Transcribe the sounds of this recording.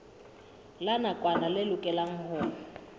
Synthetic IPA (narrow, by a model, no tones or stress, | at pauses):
lanakʼwanalɪlʊkʼɛlaŋ̩hʊːna